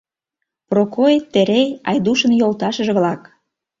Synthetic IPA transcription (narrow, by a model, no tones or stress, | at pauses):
prokojet̪ːeɾejɑjd̪uʃə̆njolˠt̪ɑʃə̆ʒĕβlɑk